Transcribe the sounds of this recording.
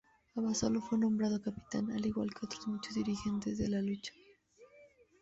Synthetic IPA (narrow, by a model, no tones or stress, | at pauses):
aβasolofwe̞nombɾað̞okapi̥t̪a̰naliɣwa̰lke̞o̞t̪ɾozmut͡ʃozðiɾixe̞nt̪e̞zðe̞̰lalut͡ʃḁ